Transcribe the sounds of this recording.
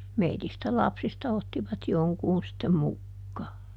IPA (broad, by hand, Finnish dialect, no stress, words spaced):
meitistæ lɑpsistɑ otːiʋɑt joŋkuːn sitːem mukːɑː